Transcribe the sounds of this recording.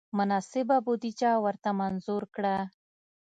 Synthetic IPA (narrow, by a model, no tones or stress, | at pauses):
mʊnɑsɪbabud̪it͡ʃɑwəɾt̪amanzuɾkɽa